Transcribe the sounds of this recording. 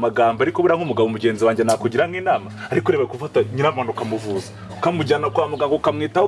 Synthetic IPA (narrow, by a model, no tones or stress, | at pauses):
maɡaːmbaɾikoβuɾaŋumuɡaβomuɟe̞ːnziwaːɲɟenakuɟiɾamŋiːnaːmaaɾikuɾeβaekuvataɲinamaːnukamuvuːzḁ | kamuɟanakamuɡaːŋɡokamŋiːta